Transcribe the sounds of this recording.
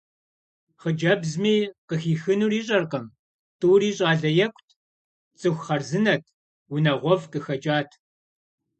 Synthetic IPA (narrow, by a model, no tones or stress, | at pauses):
χəd͡ʒɐbzmiːqəxiːxɨnuːriːɕ̬ʼɐrqɐm | tʰʼuːriːɕʼaːɮɐjɛkʷʰʼtʰ | t͡sʼɨxʷχɐrzɨnɐtʰ | wʊnɐʁʷɔvqɨxɐd͡ʒʼaːtʰ